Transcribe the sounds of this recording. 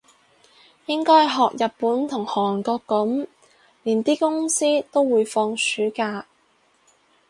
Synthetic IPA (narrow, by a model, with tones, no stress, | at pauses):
jɪ˥ŋkɔː˥jɦɔː˨k̚jɐ˨t̚puː˨˥nt̪ʰʊ˨˩ŋhɔː˨˩˨nkɔː˧kːʊ˨˥m | liː˨˩nt̪iː˥kʊ˥ŋsiː˥t̪o˥wwuː˨˧jfɔː˧ŋsyː˨˥kaː˧